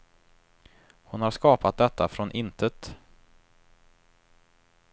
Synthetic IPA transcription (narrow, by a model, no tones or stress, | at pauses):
hʊnhaɾʂkɑːpat̪̚d̪ɛt̪ʰːafɾɔnʔɪnt̪ʰət̪